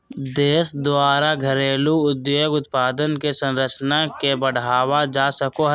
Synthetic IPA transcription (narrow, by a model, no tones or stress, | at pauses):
d̪eːsd̪waːɾaɡʱəɾeːluʊd̪joːɡʊt̪̚paːd̪ənkesə̃nɾət͡ʃnakebəɽ̤aːwad͡ʒaːsəkoɦ